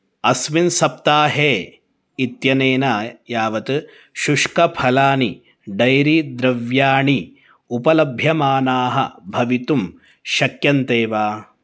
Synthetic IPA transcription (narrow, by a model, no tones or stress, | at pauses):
ɐsʋinsɐp̚t̪aːɦeː | it̪jɐneːnajaːʋɐt̪ | ʃuʂkɐpʰɐlaːni | ɖɐjɾid̪ɾɐʋjaːɳi | upɐlɐbʱjɐmaːnaːɦɐ̰bʱɐʋit̪um | ʃɐkjɐnt̪eːʋaː